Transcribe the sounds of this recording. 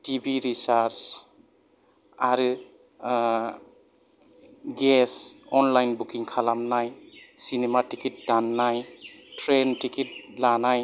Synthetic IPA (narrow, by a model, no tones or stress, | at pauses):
tibiɾisaɾs | aɾɯ | ɡesɔnlajnbukiŋkʰalamnajsinematikit̚danːaj | tʰɾentikit̚lanaj